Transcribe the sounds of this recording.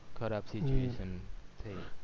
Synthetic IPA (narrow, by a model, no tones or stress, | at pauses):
kʰəɾaːbsit͡ʃueːʃənt̪ʰe